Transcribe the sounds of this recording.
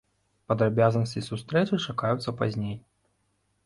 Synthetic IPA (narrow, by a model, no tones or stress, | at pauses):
pɐd̪ɾabʲazɐnɐsʲt͡sʲisust̪ɾɛt͡ʂɨt͡ʂakajut̪sːɐpazʲnʲej